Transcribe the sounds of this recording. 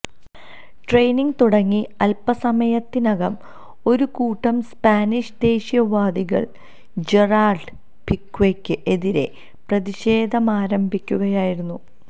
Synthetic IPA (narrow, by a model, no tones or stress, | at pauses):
ʈrejniŋɡt̪uɽɐŋːiɐlpɐsɐmɐjɐt̪ːinɐɣɐm | o̞ɾukuːʈːɐmspaːniʂd̪e̞ːɕjɐʋaːd̪iɣɐ̰ɭ | d͡ʑe̞raːrɖ | pikːwekːɨʔe̞ðiɾe̞̰ | prɐðiɕe̞ːd̪ʱɐmaːɾɐmbʱikʲːuɣɐjaːjiɾunːu